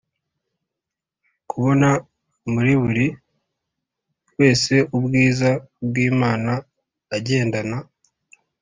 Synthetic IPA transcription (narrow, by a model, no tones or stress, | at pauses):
kʰuβo̞na | muɾiβuɾi | we̞ːse̞ubɡiːzabɡiːmaːnaː | ɟe̞ːndana